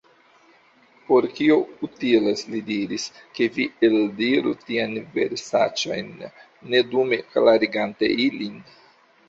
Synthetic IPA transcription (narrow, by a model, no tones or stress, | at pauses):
po̞ɾkio̞utileslidiɾiske̞vieldiɾṵtianve̞̰ɾsa̰t͡ʃo̞̰jnː | e̞dume̞klaɾiɡante̞̰ilin